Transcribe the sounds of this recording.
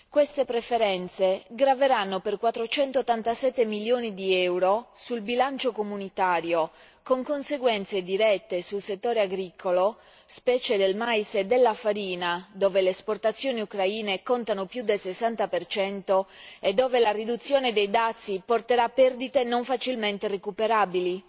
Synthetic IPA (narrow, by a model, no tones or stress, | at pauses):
kwest̪epɾefeɾɛnt̪seɡɾaveɾanːoperkwat̪ːɾot͡ʃɛnt̪oːt̪ːant̪asɛt̪ːemiljoːnid̪iɛwɾosulbilant͡ʃokomunit̪aːɾjo | koŋkonseɡwɛnt̪sed̪iɾɛt̪ːesulset̪ːoːɾeaɡɾiːkʰolo | spɛːt͡ʃed̪elmajsed̪elːafaɾiːnad̪oːveleːsport̪at̪sːjoːniukɾaiːnekont̪anopjud̪ːelsesːant̪apert͡ʃɛnt̪oed̪ːɔːvelarid̪ut̪sːjoːned̪ejd̪at̪sːiport̪eɾapːɛrd̪it̪enoɱfat͡ʃilment̪erekupeɾaːbili